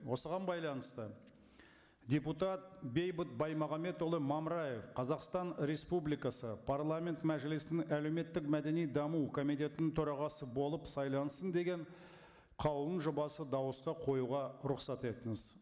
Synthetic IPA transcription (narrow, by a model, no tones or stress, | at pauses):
wo̞səʁɑnbɑjlˠɑnəst̪ə | d̪ʲe̞put̪ɑt̪̚be̞jbət̪̚bɑjmɑʁɑme̞t̪olˠəmɑmɾaje̞fqʰɑzɑqst̪ɑnɾe̞spublijkɑsəpʰaɾlˠamʲe̞nt̪mæʒɪlɪsɪnɪŋæle̞wme̞t̪ːɪkmæd̪e̞nijd̪ɑmukʰo̞mijt̪ʲe̞t̪ɪnɪŋt̪ʰɵɾɑʁɑsəbo̞lˠəpsɑjlˠɑnəsənd̪e̞ɡʲe̞ɴ | qʰɑw̪əɴʒʊbɑsəd̪ɑwəsqɑqʰo̞juʁɑɾʊqsɑt̪e̞t̪ɪŋɪz̥